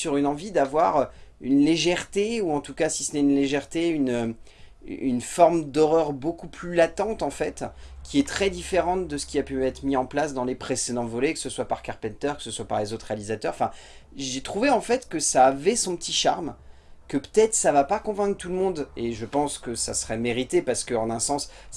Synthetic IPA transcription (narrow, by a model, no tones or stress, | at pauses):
syʁynɑ̃vid̪avwaʁøynleʒɛʁt̪euɑ̃t̪ukasisənɛynleʒɛʁt̪eynø̰ | y̰nfɔʁmd̪ɔʁœʁbokuplylat̪ɑ̃t̪ɑ̃fɛt̪kʲiɛt̪χɛd̪ifeʁɑ̃td̪əsə̥kʲiapyɛt̪χəmiɑ̃plasd̪ɑ̃lepχesed̪ɑ̃vɔlɛkə̥səswapaʁkaʁpɛ̃nt̪œʁkə̥səswapaʁlezot̪χealizat̪œʁɑ̃fɛ̃ʒet̪χuveɑ̃fɛt̪kəsaːvɛsɔ̃pə̥t̪ʰiʃaʁm | kəpə̥t̪ɛt̪χəsavapakɔ̃vɛ̃kχt̪uləmɔ̃d̪eʒəpɑ̃skəsasəʁɛmeʁit̪epaʁsə̥kəɑ̃nɛ̃sɑ̃s